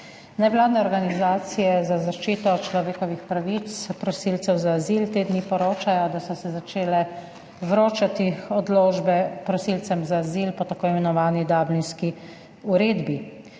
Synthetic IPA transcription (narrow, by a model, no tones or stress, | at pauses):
nɛʋlaːd̪nɛɔɾɡanizaːt̪sijɛzazaʃt͡ʃiːt̪ɔt͡ʃlɔʋeːkɔʋixpɾaʋit̪spɾɔsiːlt̪sɛwzaːzilt̪eːd̪nipɔɾoːt͡ʃajɔd̪asɔsɛzat͡ʃeːlɛ | ʋɾoːt͡ʃat̪iɔd̪loːʒbɛpɾɔsiːlt̪sɛmzaːzilpɔt̪akoːimɛnɔʋaːnid̪aːblinski | uɾeːd̪bi